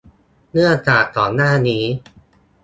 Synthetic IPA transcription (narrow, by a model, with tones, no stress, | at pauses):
nɯ˥˩ɐt͡ɕaː˨˩k̚t̪ɔː˨˩nːaː˥˩niː˦˥